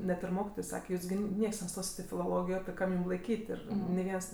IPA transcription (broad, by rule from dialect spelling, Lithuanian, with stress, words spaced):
ˈnʲɛt ɪr ˈmoːkʲɪtoːj ˈsɑːkʲɛ ˈjuːs ɡʲɪ ˈnʲiɛks nʲɛˈstoːsʲɪt ɪ fʲɪlˠoːˈlˠoːɡʲɪjoː ˈkɐm jʊm lˠɐɪˈkʲiːtʲ ɪr nʲɪ ˈʋʲiɛns